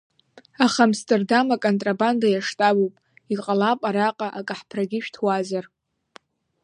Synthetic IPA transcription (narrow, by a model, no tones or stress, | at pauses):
aχamstʰʼerdamakʼontʼrabandajaʂtʼabopʼ | iqʼalapʼaɾaqʼaʔakʼaħpʰraɡʲɪʃᶣtʰwazar